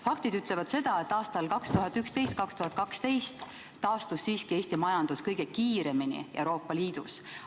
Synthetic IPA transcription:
fɑk̚t̪id̪yt̪ˑlevɑd̪̥se̞d̪̥ɑe̞t̪ˑːɑːst̪ɑlkɑkst̪uɦɑt̪ːˑykst̪e̞jst̪̚kɑkst̪uhɑt̪̚kɑkst̪e̞jst̪ː | ɑːst̪usːiːskie̞ːsʲt̪imɑjɑnd̪̥uskɤjɡ̥ekiːɾe̞minḭʔe̞wɾo̞ːpˑːɑliːd̪̥us

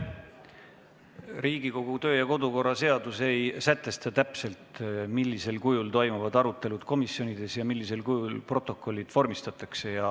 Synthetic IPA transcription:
riːɡ̥iko̞ɡ̥ut̪ø̞ːjɑko̞d̪uko̞rːɑse̞ɑd̪̥use̞jsæt̪ːˑe̞st̪ɑt̪æpse̞lt̪milʲːise̞lkujult̪o̞jmuvɑd̪ɑɾut̪ːˑe̞lud̪̥ko̞misjo̞nid̪̥e̞sjɑmilːise̞lkujulpro̞t̪ːˑo̞kˑːo̞lʲːid̪̥vo̞rmist̪ɑt̪ːˑɑkse̞jɑ

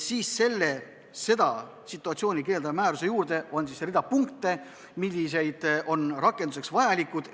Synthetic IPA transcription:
siːsːe̞lːe̞ | se̞d̪̥ɑ | sit̪ˑːuɑt̪sʲio̞ːnʲike̞ːld̪ɑmæːɾuse̞juːɾd̪e̞ʔo̞nsisɾid̪̥ɑpuŋkt̪ːˑe̞ | milʲːise̞jd̪̥ʔo̞nrɑkˑːe̞nd̪use̞ksvɑjɑlʲikːˑud̪̥

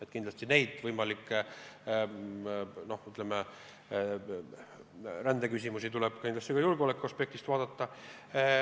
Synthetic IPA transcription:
et̪ːˑkind̪lɑsʲt̪ine̞jd̪̥vɤjmɑlikː | no̞hyt̪ˑleme | rænd̪ekys̬ʲimusit̪uleb̥kind̪lɑst̪ikɑjulɡ̥eolekːˑuɑspe̞k̚t̪ist̪vɑːd̪̥ɑt̪ːɑ

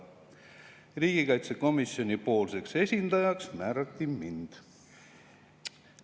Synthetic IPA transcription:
riːɡ̥ikɑjt̪se̞ko̞misio̞nipo̞ːlse̞kse̞sʲind̪̥ɑjɑksmæːɾɑt̪ːimind̪̥

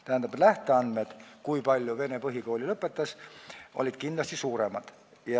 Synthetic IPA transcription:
t̪æhænd̪ɑbet̪læht̪eɑnd̪med̪̥kuipɑlʲjuve̞ne̞pɤɦiko̞ːlʲilɤpːˑe̞t̪ːˑɑsʔo̰lʲid̪̥kind̪lɑst̪isuːɾe̞mɑd̪̥ | jɑ

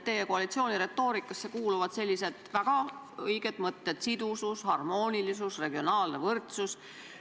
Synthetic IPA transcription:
t̪ːe̞jeko̞ɑlit̪sioːnʲiɾe̞t̪ːˑo̞ːɾikːˑɑsːe̞kuːluvɑd̪se̞lʲːise̞d̪̥væɡ̥ɑ | ɤjɡ̥e̞d̪̥mɤt̪ːet̪sid̪̥usushɑrmo̞ːnʲilis̬usre̞ɡ̥io̞nɑːlnevɤrt̪sus

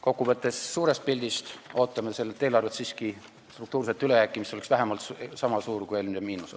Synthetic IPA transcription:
ko̞kːuvɤt̪ːˑe̞sːuːɾe̞st̪̚pilʲd̪̥ist̪o̞ːt̪ːˑɑme̞se̞lːet̪ːe̞ːlɑrvet̪siːski | st̪rukt̪uːɾset̪ːˑyle̞jækːˑimist̪oeksvæɦemɑlt̪ssɑmɑsuːɾkujelmɑmiːnuse

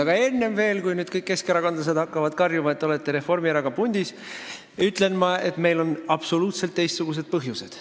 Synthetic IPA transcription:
ɑɡ̥ɑe̞nːe̞mve̞ːlkujnyːd̪̥kɤjkːe̞skeɾɑkɑnd̪lɑs̬e̞d̪hɑkːɑvɑd̪̥kɑrjumɑe̞t̪ːeo̞let̪ːˑeɾe̞fo̞rmiɾɑɡɑpunʲd̪̥is | yt̪ːˑle̞nmɑe̞t̪me̞jlo̞nɑb̥so̞luːt̪se̞lt̪ːejst̪suɡ̥us̬e̞d̪̥̚pɤɦjuse̞d̪̥

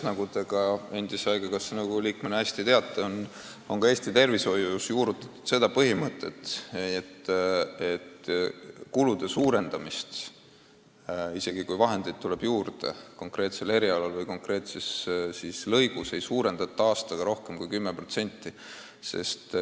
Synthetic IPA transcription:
nɑɡud̪eɡ̥ɑe̞nd̪iseɑjɡ̥ɑkɑsnɑɡuliːkmenːeæsʲt̪it̪e̞ɑt̪ːˑeon | o̞ŋkɑeːsʲt̪it̪e̞rviso̞jusjuːɾut̪ːˑɑ̥t̪ːu̥d̪̥se̞d̪̥ɑpɤɦimɤt̪ːˑe̞̰t̪ːˑet̪ːet̪ː | kulud̪̥e̞suːɾe̞nd̪ɑmist̪ | ise̞ɡ̥ikujvɑɦe̞nd̪̥ejd̪̥̚t̪ule̞b̥juːrd̪̥e̞̰ko̞ŋkre̞ːt̪se̞le̞ɾiɑlɑlvɤjko̞ŋkre̞ːt̪sessislɤ̞jɡ̥use̞jsuːɾe̞nd̪̥ɑt̪ːˑɑɑːst̪ɑɡ̥ɑɾo̞hke̞mkujkymːepro̞t̪se̞nʲt̪ːˑi | se̞̰st̪

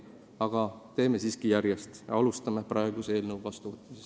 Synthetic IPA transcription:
ɑɡ̥ɑt̪e̞ːme̞siːskijæɾjest̪jɑ̰ɑlust̪ɑme̞prɑe̞ɡ̥use̞ːlnewvɑst̪uvɯt̪ːmises

